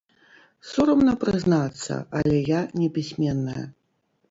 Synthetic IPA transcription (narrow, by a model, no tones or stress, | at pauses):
sɔɾɐmnɐpɾɨznat̪sːɐ̰ɐlʲɛjanʲɛpʲisʲmʲɛnːɐjɐ̰